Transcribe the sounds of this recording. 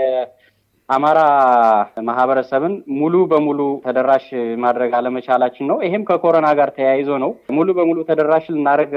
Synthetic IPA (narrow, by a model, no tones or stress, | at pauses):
ʔamaɾa | maɦβəɾəsəβɨnmulubəmulut̪ʰəd̪əɾːaʃmad̪ɾəɡaləmət͡ʃalat͡ʃːɪnːəwjɪɦɪmkʰəkʰo̞ɾənaɡaɾt̪ʰəjajɪzo̞nəwmulubəmulut̪ʰəd̪əɾaʃlɨnːaɾəɡ